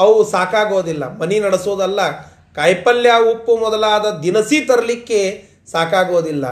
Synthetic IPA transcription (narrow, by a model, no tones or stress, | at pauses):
ɐwusaːkaːɡoːd̪ilːɐ̰mɐninɐɽɐsoːd̪ɐlːɐ | kɐjpɐljaupːumɔd̪ɐlaːd̪ɐd̪inɐsit̪ɐɾɐlikːe | saːkaːɡoːd̪ilːɐ̰